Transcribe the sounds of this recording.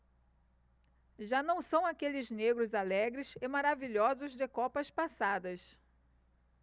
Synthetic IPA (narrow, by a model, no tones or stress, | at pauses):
ʒanɐ̃w̃sɐ̃w̃akelɪzneɡɾʊzalɛɡɾɪsɪmaɾaviʎɔzʊzd̪ɪkɔpɐspasad̪ɐs